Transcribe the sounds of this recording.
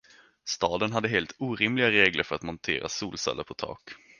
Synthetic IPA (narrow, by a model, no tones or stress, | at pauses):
st̪ɑːd̪ənɦad̪ːəɦeːlt̪ʰuːɾɪmlɪɡaɾeːɡləɾfœɾat̪mɔnt̪ʰḛːɾʔa̰suːlsɛ̰lːə̰pʰɔt̪ʰɑ̰ːk